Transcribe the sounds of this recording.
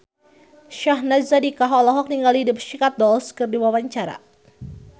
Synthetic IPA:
ʃaɦnazadikaɦɔlɔɦɔk̚niŋɡalidʊpʃikat̪̚dɔlskɨrdiwawaɲt͡ʃaɾa̰

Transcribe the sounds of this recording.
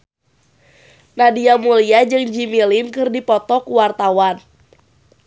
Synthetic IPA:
nadiamuliad͡ʒɨŋd͡ʒimilinkɨrdipɔt̪ɔkuwart̪awan

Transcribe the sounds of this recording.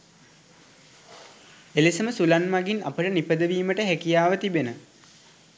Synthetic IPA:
elisəməsulanmaɡina̰pəʈənipəd̪əʋiːməʈəɦækijaːʋət̪ibenə

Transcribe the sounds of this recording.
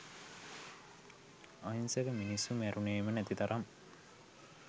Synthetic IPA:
ainseɡəminisːumæɾuneːmənæt̪it̪aɾʔam

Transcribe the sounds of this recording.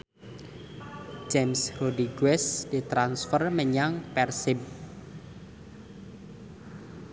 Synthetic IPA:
d͡ʒɛmsrodiɡwɛsd̪̥it̪ɾansfərməɲaŋpɛrsɪb̚

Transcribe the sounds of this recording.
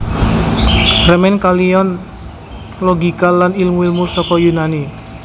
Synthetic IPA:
rəmɛnkalijɔn | lɔɡikalːanilmwilmusɔkɔjunani

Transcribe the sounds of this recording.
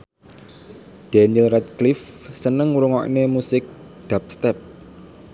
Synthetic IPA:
d̪̥anilrɛt̪̚klɪfsənəŋuɾuŋɔʔnemusɪk̚ | d̪̥ap̚st̪ɛp̚

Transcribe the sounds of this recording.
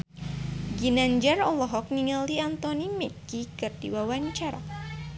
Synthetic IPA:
ɡinand͡ʒaɾɔlɔɦɔk̚niŋaliant̪ɔnimɛkikɨrdiwawaɲt͡ʃaɾa̰

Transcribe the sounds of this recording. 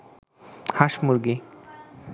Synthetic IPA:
haʃmuɾɡe

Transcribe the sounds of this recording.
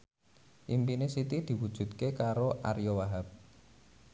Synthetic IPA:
ʔimpinɪsit̪id̪̥i̤wud̥ʒ̥ṳt̪̚kekaɾoʔa̰ɾjowaɦap̚

